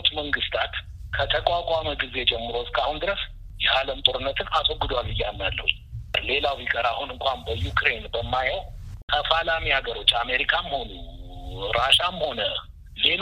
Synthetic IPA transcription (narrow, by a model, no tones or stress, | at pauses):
t̪məŋɡɨst̪ʰat̪ | kʰət̪ʰəkʼakʼaməɡize̞d͡ʒɛmːɨɾoskʼahund̪ɨɾəs | jɛʔaləmt̪ʼo̞ɾɨnːət̪ʰɨnasʼoɡɨd̪walɨjːanːalːə̰hu | le̞lawikʼəɾahunɨŋkʷʼambəjukʰʼɾe̞nbəmːajəwkʰəfalamihaɡəɾo̞t͡ʃːame̞ɾikʰamho̞nu | ɾaʃamho̞nə | le̞l